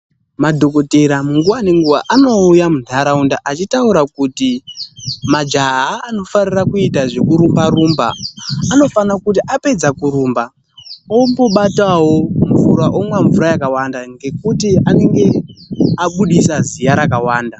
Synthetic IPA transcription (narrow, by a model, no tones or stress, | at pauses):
madʱo̞ko̞te̞ɾamuŋɡuwane̞ŋɡuʋaʔano̞ujamundʱaɾaundaʔat͡ʃitauɾakuti | mad͡ʒaɦaːno̞farirakuitaʐe̞kuɾumbaɾumba̰ːno̞fanakutiʔape̞d͡zakuɾuːmba | o̞mbo̞ɓatawo̞ɱvuɾaʔomwaɱvuɾajakawandaŋɡe̞kutiane̞ŋɡe̞aɓuɗisazijaɾakawaːnda